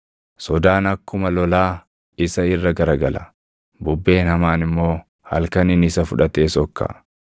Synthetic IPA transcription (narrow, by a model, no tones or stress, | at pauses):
sɔd̪aːnɐkːʊmɐlɔlaː | ɪsɐɪrːɐɡɐɾɐɡɐlɐ | bʊbːe̞ːnhɐmaːnɪmːo̞ː | hɐ̰lkɐnɪnɪsɐfʊᶑɐt̪e̞ːsɔkːɐ̰